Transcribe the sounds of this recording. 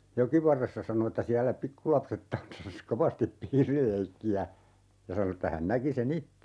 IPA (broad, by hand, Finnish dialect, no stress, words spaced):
jokiʋɑrːesːɑ sɑno etːæ siælːæ pikːulɑpset tɑnsːɑs koʋɑstip piːrileikːiæ jɑ sɑno etːæ hæn næki sen itːe